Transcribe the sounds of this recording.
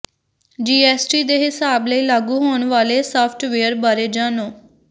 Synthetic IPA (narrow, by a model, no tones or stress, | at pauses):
d͡ʒiːɛːsʈiːd̪eːɦɪsaːbləiːlaːɡuːɦoːɳʋaːleːsaːpʰʈʋeːəɾbaːɾeːd͡ʒãːnoː